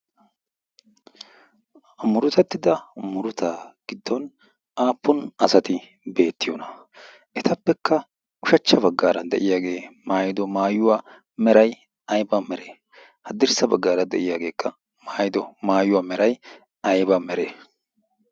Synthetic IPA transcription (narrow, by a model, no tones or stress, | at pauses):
mʊɾʊt̪ɛt̪ːɪd̪ɐmʊɾʊt̪aːɡ̥ɪd̪ːɔn | aːpːʊnɐsɐt̪ɪ | be̞ːt̪ːɪjɔnɐ | ʔɛt̪ɐpːɛkːɐ | ʔʊʃɐt͡ʃːɐbɐɡːaːɾɐnd̪ɛ̰ʔɪjaːɡe̞ːmaːjɪd̪ɔmaːjʊwaː | mɛɾɐj | ɐjbamɛɾeː | hɐd̪ɪɾsɐbɐɡːaːɾɐd̪ɛ̰ʔɪjaːɡe̞ːkːɐ | maːjɪd̪ɔmaːjʊwaːmɛɾɐj | ɐjbamɛɾeː